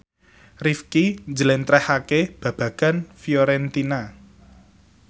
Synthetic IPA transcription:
rifkind͡ʒəlɛnt̪ɾɛhakeb̥ä̤b̥ä̤ɡ̥a̤nfjoɾɛnt̪ina

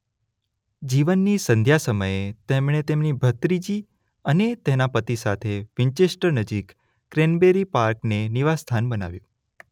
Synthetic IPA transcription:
d͡ʒiʋənːisənd̪ʱjasəməjet̪emɳet̪emnibʱət̪ɾid͡ʒi | ənet̪enapət̪isat̪ʰeʋiɲt͡ʃesʈəɾnəd͡ʒikː | ɾenbeɾipaɾkneniʋast̪ʰanbəna̰ʋjṵ̃

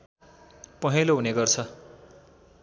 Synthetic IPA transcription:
pʌɦeloɦuneɡʌrt͡sʰʌ

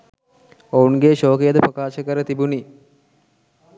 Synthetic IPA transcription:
ounɡeʃoːkejəd̪əprɐkaːʃəkəɾət̪ibuni

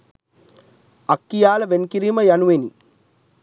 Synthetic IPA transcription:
ɐkːijaːlɐʋenkiɾimɐjɐnuweni

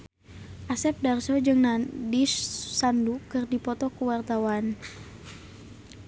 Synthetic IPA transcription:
ʔasɛp̚darsɔd͡ʒɨŋnadisːandukɨrdipɔt̪ɔkuwart̪awan

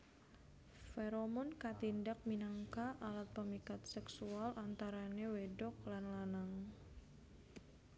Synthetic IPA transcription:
feɾomɔnkat̪indak̚minaŋkaʔalat̪̚pəmikat̪̚sɛksualʔant̪aɾanewedɔk̚lanlanaŋ

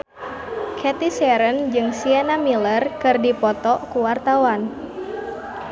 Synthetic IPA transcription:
kʰɛt̪isɛɾənd͡ʒɨŋsiɛnamilərkɨrdipɔt̪ɔkuwart̪awan

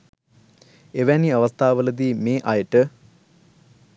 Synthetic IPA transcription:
eʋæniɐʋɐst̪ʰaːʋələd̪iːmeːʔɐjəʈə

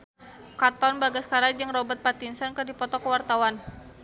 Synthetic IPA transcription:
kat̪ɔnbaɡaskaɾad͡ʒɨŋrɔbət̪̚pat̪insənkərdipɔt̪ɔkəwart̪awan

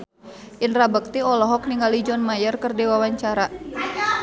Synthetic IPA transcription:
ʔinrabək̚t̪iɔlɔɦɔk̚niŋɡalid͡ʒɔnmajərkərdewawaɲt͡ʃaɾa

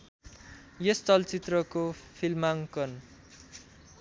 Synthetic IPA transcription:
jest͡sʌlt͡sit̪rʌkopʰilmaŋkʌn

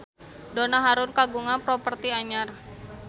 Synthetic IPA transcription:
donaɦaɾʊnkaɡuŋanpɾopərt̪iaɲar

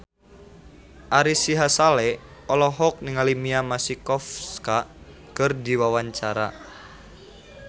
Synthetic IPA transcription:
ʔaɾisiɦasalɛɔlɔɦɔk̚niŋalimiamasikɔfska | kɨrdiwawaɲt͡ʃaɾa̰

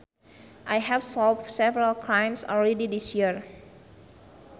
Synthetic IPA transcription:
ʔajɦɛvsɔlfsɛvəɾalkʰɹãjmsɔlɹɛdidisjiəɹ

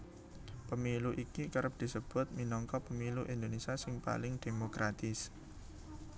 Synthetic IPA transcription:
pəmiluʔikikəɾəp̚d̪̥i̤səb̥ʊ̤t̪̚minɔŋkɔpəmiluʔind̪onesiasɪŋpa̰lɪŋd̪̥e̤mokɾat̪ɪs

